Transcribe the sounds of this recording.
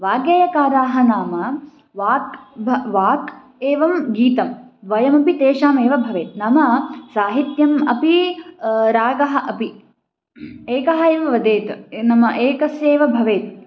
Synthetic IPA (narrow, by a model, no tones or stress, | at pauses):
ʋaːɡjɐjɐkaːɾaːɦɐnaːmɐ | ʋaːkbɐʋaːk | eːʋɐmɡiːt̪ɐmd̪ʋɐjɐmɐpit̪eːʃaːmeːʋɐbʱɐʋeːt̪̚namɐsaːɦit̪jɐmɐpi | ɾaːɡɐɦɐʔɐpi | eːkɐɦɐeːʋɐʋɐd̪eːt̪nɐmɐʔeːkɐsjeːʋɐbʱɐʋeːt̪